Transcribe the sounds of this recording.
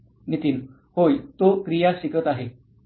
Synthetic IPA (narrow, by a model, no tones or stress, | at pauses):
nit̪iːn | hojt̪okɾijasikət̪aɦe